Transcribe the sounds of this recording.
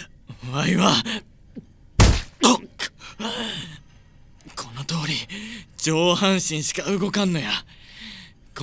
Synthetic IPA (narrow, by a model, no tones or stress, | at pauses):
oβaiβa | kʰo̞not̪o̞ːɾʲit͡ɕo̞ːhãɰ̃ɕĩɰ̃ɕi̥kaɯ̟ɡo̞kãnːo̞ja | k